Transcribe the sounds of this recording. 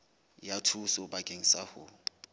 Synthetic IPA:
jatʰusɔbakʼeŋ̩sahʊ

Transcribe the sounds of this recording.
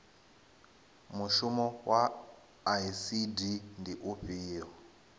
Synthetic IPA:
muʃumowʔa | aisidindiʔuɸiːɔ

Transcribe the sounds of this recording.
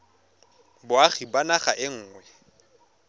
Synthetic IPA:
bʊaχibanaχaʔɪŋ̩ːŋwɛ

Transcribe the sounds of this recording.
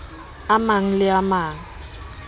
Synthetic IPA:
amaŋ̩lɪamaːŋ̩

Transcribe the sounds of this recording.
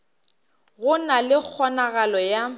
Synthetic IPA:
ɣʊnalɪk͡xʰɔnaɣalɔja

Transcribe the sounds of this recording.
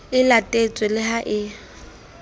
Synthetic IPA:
ɪlatʼet͡sʼwɪlɪɦaʔɪ

